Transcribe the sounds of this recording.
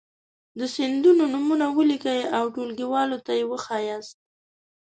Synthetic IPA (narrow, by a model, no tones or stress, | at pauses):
d̪əsɪnd̪unonumunawəlikajawʈolɡiwɑlot̪ajewəxɑjas̚